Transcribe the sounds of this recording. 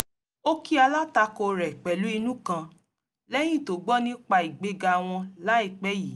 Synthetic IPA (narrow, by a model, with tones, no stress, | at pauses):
o˦ki˦a˧la˦ta˧˦ko˧ɾɛ˨k͡pɛ˨lu˨˦i˧nũ˦kã˧ | lɛ˦j̃ĩ˦˨to˨˦ɡ͡bɔ̃˦nĩ˦k͡pa˧i˨ɡ͡be˧ɡa˧˨w̃ɔ̃˧la˨˦i˦˨k͡pɛ˦ji˨˦